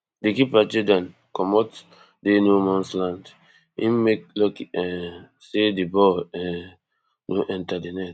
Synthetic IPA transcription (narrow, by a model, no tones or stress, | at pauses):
dekipad͡ʒidãn | kɔmɔt | denomɔ̃nslãnd | ĩmmek̚lɔkɛ | sedibɔɛ̃ | noʔɛ̃ntadinɛt